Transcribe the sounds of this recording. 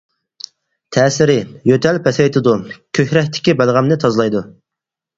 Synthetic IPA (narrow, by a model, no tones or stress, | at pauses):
t̪ʰɛːsɪɾɪjøt̪ʰɛlpʰɛsɛjt̪ʰɨd̪ukʲʰøçɾɛht̪ʰɪ̥kʲibælˠʁæmnɪt̪ʰɑzlˠɑjd̪u